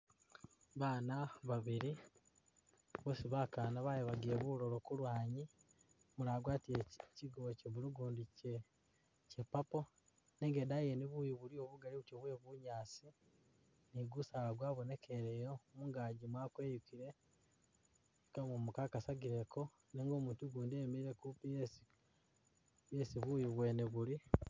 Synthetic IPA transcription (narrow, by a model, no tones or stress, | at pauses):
βaːnaβaβiɾi | βosiβakanaβajeβaɡieβuɾolokulwaːɲi | muɾaːɡwaːtijeciɡuβoceβuɾuɡuːndice | cepapo | neŋɡeːdajeniβujiβuɾio̞βuɡaliβutoβujeβuɲaːt͡si | niɡusaːlaɡwaːβone̞kʰe̞ɾejomuŋɡaɟimwaːkwe̞ːjukiɾe̞ | kamumukakasaɡiɾekʰo̞ | neːŋɡo̞ːmuːntuɡuːndiemiɾiɾekupijes | jesiβujiβwe̞ːneβuɾi